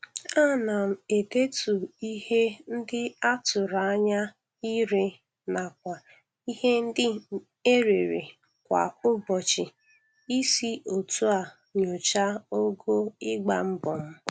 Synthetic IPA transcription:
a˦na˨m̩˨e˨de˦tu˨i˦he˦n̩˦dɪ˦a˦tʊ˨ɾa˨a˦ɲa˦ | i˦ɾe˨ | na˨k̚ʷa˨ | i˦he˦n̩˦dɪ˦ | e˦ɾe˨ɾḛ˨ | kʷa̰˨ʊ˦bɔ˨t͡ʃɪ˨ | i˦si˦o˨tu˦a˨ | ɲo˨t͡ʃa˦o˦ɡo˦ɪ˦ɡ͡ba˨m̩˦bɔ˨m̩˦

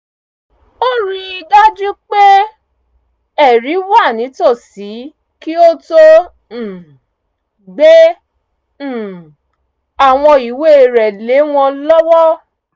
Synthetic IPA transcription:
o˦ɾi˧i˧da˦d͡ʒũ˦k͡pe˦ | ɛ˦˨ɾi˨˦wa˦˨nĩ˨˦to˦˨si˨˦ | ki˦o˦tõ˦˨ | ɡ͡be˦˨ | a˨w̃ɔ̃˧i˨we˦˨ɾɛ˨le˨˦w̃ɔ̃˧lɔ˦wɔ˦

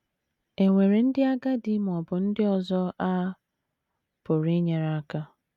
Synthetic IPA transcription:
e˨ŋʷe˨ɾe˨n̩˦dɪ˦a˦ɡa˦di˦m˨ɔ˨bʊ˨n̩˦dɪ˦ɔ˨zɔ˦ʔa˦ | pʊ˨ɾi˦ɲe˨ɾa˦ka˦

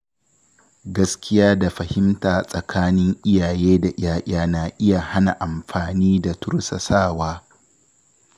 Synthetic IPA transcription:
ɡɐ˦skʲɪ˦jaː˦da˨ɸɐ˨hɪ˦mtaː˨sʼɐ˨kʰaː˦nɪ˦ŋʔɪ˦jaː˨jeː˦da˨ʔj̰aː˦ʔʲaː˦naː˨ʔɪ˦ja˨ha˦na˨ʔa˨mɸaː˨niː˦da˨tʊ˦ɽsɐ˨saː˦˨waː˦

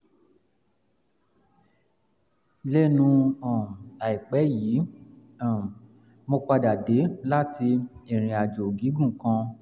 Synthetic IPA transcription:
le˦nũ˧ã˨a˨i˨k͡pɛ˨˦ji˨˦ | a˨ | mõ˧k͡pa˧da˨de˨˦la˦ti˧e˨ɾ̃ĩ˨a˨d͡ʒo˨ɡi˨˦ɡũ˦˨kã˧

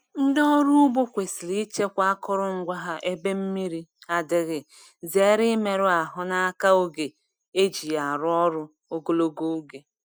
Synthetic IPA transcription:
n̩˦dɔ˦ɾu˦ʊ˦bo˦kʷe˨sɪ˨li˦i˦t͡ʃe˦kʷa˦a˦kʊ˦ɾʊ˦˨ŋ̩˦ɡʷa˦ɦa˦ʔe˦be˦m̩˦mi˦ɾi˦a˨dɪ˦ɣɪ˨ | ze˨˦ɾɪ˦me˨ɾʊ˦a˨ɦʊ˦na˦a˦ka˦o˦ɡe˨ | e˦d͡ʒi˨a˨ɾʊ˦ɔ˦ɾʊ˦ | o˦ɡo˦lo˦ɡo˦u˦ɡe˨

